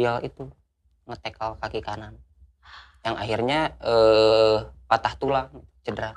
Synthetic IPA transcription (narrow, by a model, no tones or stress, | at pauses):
alḭt̪u | ŋət̪ekalkakikanan | jaŋaɦirɲaə | pat̪aht̪ulaŋit̪u̥t͡ʃədɾa